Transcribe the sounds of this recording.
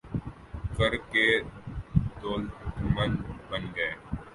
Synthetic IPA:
kəɾkeː | d̪oːlmənbənɡəeː

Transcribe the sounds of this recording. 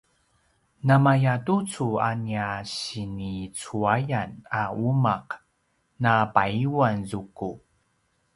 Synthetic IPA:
namajatut͡sua̰niaɕinit͡suajanaumaq | napaiwanzuku

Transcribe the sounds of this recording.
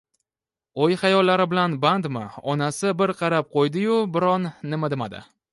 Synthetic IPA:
ojχɑjɒlːaɾɪbɪlanband̪mɪ̰ɒnasɪbɪɾqʰɑɾap̚qʰojd̪ɪjʊbɪɾɒnːɪmad̪ɪma̰d̪ɪ̰

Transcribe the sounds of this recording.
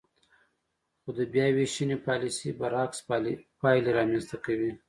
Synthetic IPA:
xod̪əbjɑweʃinepɑlisibaɾɑkspɑjleɾɑmenst̪akawi

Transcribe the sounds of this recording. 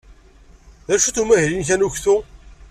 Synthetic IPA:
ðæʃuθumæçɾinç̬ænuçθu

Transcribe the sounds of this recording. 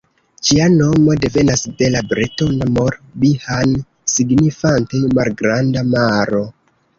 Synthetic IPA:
t͡ʃiano̞mo̞de̞ve̞nasde̞labɾeto̞namo̞ɾbihan | siɡnifantejmalɡɾandamaɾo̞

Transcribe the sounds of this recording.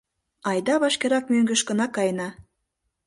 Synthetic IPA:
ɑjd̪ɑβɑʃkeɾɑk̚møŋɡə̆ʃkə̆nɑkɑjnɑ

